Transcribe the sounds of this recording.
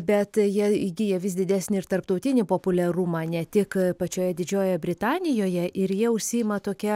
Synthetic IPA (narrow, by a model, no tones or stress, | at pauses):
bʲɛt̪jiɛɪɡʲijɛʋʲɪsd̪ʲɪd̪ʲæːsʲnʲɪɪɾt̪ɐrpt̪ɔʊt̪ʲɪnʲɪpoːpʊlʲɛɾuːmɑːnʲɛt̪ʲɪkpɐt͡ʃʲoːjɛd̪ʲɪd͡ʒʲoːjɛbʲɾʲɪt̪ɑːnʲɪjoːjɛʔɪɾjiɛʊʃʲsʲɪɪmɐt̪oːkʲɛ